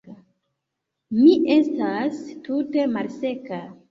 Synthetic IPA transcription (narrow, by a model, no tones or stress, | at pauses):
miʔe̞stastute̞malse̞ka